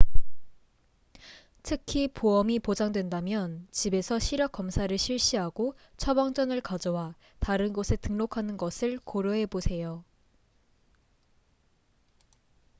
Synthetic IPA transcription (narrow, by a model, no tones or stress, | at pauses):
tʰɯkʰipoʌmipod͡ʑaŋdwe̞ndamjʌnt͡ɕibe̞sʰʌɕʰiɾjʌk͈ʌmsʰaɾɯɭɕʰiɭɕ͈iɦaɡo | t͡ɕʰʌbaŋd͡ʑʌnɯɭkad͡ʑʌwa | taɾɯnɡosʰe̞tɯŋnokʰanɯnɡʌsʰɯɭkoɾjoɦe̞bosʰe̞jo